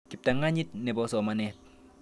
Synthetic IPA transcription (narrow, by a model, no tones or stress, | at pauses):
kip̚t̪aŋaɲit̪̚nepɔsɔmanɛt̪̚